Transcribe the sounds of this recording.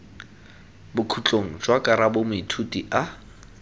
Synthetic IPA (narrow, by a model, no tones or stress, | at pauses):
bʊkʰut͡ɬʼoŋ̩d͡ʒwakʼaɾabʊmʊitʰutʼiʔa